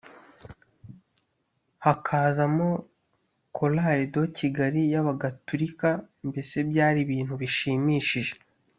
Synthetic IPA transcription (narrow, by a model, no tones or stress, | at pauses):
hakʰaːzamo | kʰolaːɾido̞cʰiɡaɾijaβaɡatuɾika | mbe̞se̞bjaːɾiβiːn̥huβiʃiːmiːʃiʒe̞̥